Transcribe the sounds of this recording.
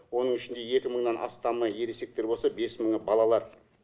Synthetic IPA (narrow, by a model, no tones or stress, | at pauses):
wo̞nəɴɪʃɪnd̪e̞je̞kʲɪməɴnɑnʔɑ̰st̪ɑməje̞ɾese̞k̚t̪e̞ɾbo̞lˠsɑbe̞sməɴbɑlˠɑlˠɑɾ